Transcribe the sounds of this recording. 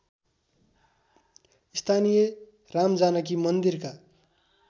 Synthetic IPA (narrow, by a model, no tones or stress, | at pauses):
ist̪ʰanije | ramd͡zanʌk̬imʌnd̪irka